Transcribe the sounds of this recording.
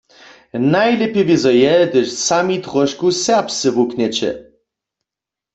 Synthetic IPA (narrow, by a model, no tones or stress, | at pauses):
najlɛpjɛvizɔjɛd̪ɘʃsamit̪ʁɔʃkusɛʁpst͡sɘvuknɛt͡ɕɛ̰